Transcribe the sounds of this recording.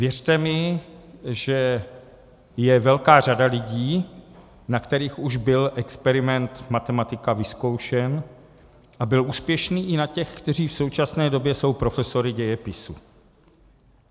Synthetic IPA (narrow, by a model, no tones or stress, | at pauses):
vjɛrt̪ɛmɪ | ʒɛ | jɛvɛlkaːr̝adalɪɟiː | nakt̪ɛɾiːxuʒbɪlʔɛkspɛɾɪmɛnt̪mat̪ɛmat̪ɪkavɪsko̞wʃɛn | ʔabɪlʔuːspjɛʃniːʔɪnacɛxkt̪ɛr̝iːfsowt͡ʃasnɛːdo̞bjɛso̞wpɾo̞fɛso̞ɾɪɟɛjɛpɪsu